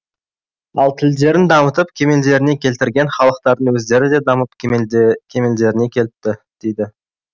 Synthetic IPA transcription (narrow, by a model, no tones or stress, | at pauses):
ɑlˠt̪ʰɪld̪e̞ɾɪnd̪ɑmət̪əp̚kʲʰe̞me̞ld̪e̞ɾɪne̞kʲʰe̞lt̪ɪɾɡʲe̞nχɑlˠəq̚t̪ɑɾd̪əɴwɵzd̪e̞ɾɪd̪e̞d̪ɑməp | kʲʰe̞me̞ld̪e̞ɾɪne̞kʲʰe̞lɪp̚t̪ɪd̪̥e̞jd̪ɪ